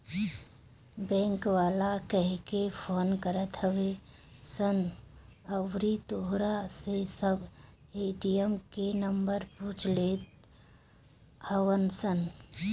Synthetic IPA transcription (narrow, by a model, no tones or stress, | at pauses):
bɛ̃ːŋkwaːlakəɦkepʰoːnkəɾət̪ɦəwesən | əwɾit̪oɦɾasesəb | eːʈijəmkenəmbəɾpuːt͡ʃleːt̪̚ | həwənsən